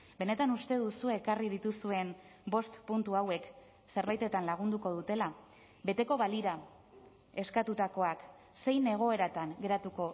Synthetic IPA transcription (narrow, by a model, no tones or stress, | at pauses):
be̞ne̞t̪anust̪e̞ð̞usuekariðit̪usue̞m | bo̞st̪punt̪uawe̞k | se̞ɾβajt̪e̞t̪anlaɣ̞und̪uko̞ð̞ut̪e̞la | be̞t̪e̞ko̞βaliɾa | e̞skat̪ut̪ako̞ak | se̞jne̞ɣ̞o̞e̞ɾat̪aŋɡe̞ɾat̪uko̞